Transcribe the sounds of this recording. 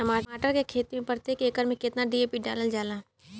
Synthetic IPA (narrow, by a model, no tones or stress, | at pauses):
ʈɐmaːaːʈəɾkekʰeːt̪imẽpɐɾt̪ekeːkəɾmẽkɪt̪naɖiːeːpiɖaːləld͡ʒaːlaː